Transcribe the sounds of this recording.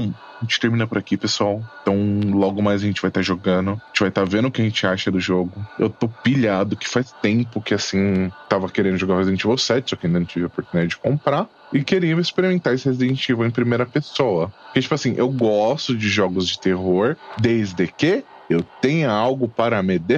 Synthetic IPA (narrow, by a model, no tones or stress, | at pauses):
w̃aʒẽnt͡ʃɪ̥t̪eɾmĩnɐpʊɾakipesuawẽt̪ɐ̃w̃lɔɡʊmajzɐʒẽnt͡ʃɪvajt̪aɾʒoɡɐ̃nʊʒẽt͡ʃɪvajt̪avẽnd̪ʊkɪɐaʒẽnt͡ʃɪaʃɐd̪ʊʒoɡʊḛwt̪opiʎad̪ʊkɪ̥fajst̪ẽmpʊkɪasĩt̪avɐkeɾẽnd̪ʊʒoɡaɾhezid̪ẽnt͡ʃivawsɛt͡ʃɪsɔkɪɐĩd̪ɐɐ̃t͡ʃivɪopoɾt̪unid̪ad͡ʒɪd͡ʒɪ̥kõmpɾa | ɪkeɾiɐmɪspeɾimẽnt̪aɾesɪhezid̪ẽnt͡ʃivʊẽj̃pɾimejɾɐpesowɐpʊɾkɛt͡ʃi̥pʊasĩʔewɡɔst̪ʊd͡ʒɪʒɔɡʊzd͡ʒɪt̪eɦoɾd̪ejzd̪eke | ewtt̪ẽɲʊawɡʊpaɾɐmɪd̪e